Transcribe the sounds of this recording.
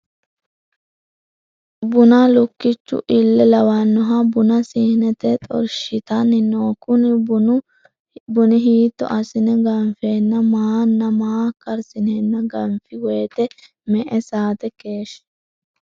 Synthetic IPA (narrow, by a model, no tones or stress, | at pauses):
bʊnalʊkːɪt͡ʃːʊ̰ʔɪlːɛlɐwanːɔɦɐbʊnɐsihnɛt̪ɛt̪ʼɔ̰ɾʃɪt̪ɐnɪnoːkʊn | bʊnɪɦiːt̪ːɔ̰ʔɐsɪnɛɡɐɱfeːnːɐmaːnːɐmaːkɐɾsɪnenːɐɡɐmfɪweːt̪ɛ | mɛʔɛsaːt̪ɛkeːʃ